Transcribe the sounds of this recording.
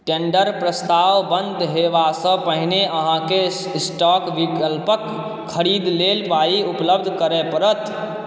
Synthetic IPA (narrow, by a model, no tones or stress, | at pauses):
ʈeɳɖəɾpɾəst̪aʋbənd̪ʱɦeʋasə̃pəɦneəɦãke | sʈakʋikəlpəkʰː | əɾid̪lelpaiupləb̚d̪ʱkəɾɛpəɾət̪